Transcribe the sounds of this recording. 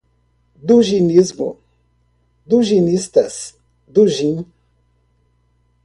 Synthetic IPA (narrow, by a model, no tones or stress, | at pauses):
d̪uʒinizmʊ̰ | d̪uʒinist̪ɐs | d̪uʒĩn